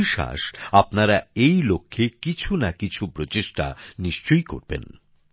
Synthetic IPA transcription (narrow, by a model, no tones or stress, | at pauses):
ʃa̰ʃapnaɾaejlokʰːekit͡ɕʰunakit͡ɕʰupɾot͡ɕeʃʈa̰niʃt͡ɕojko̰ɾbḛn